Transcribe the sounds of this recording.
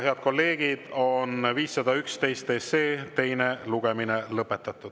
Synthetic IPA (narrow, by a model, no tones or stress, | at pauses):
he̞ɑd̪̥̚ko̞lːe̞ːɡ̥id̪̥o̞nviːsːɑd̪̥ɑykst̪e̞jst̪ːeːse̞ːt̪e̞jne̞luɡ̥eminelɤpːˑe̞t̪ːˑɑt̪ːˑud̪̥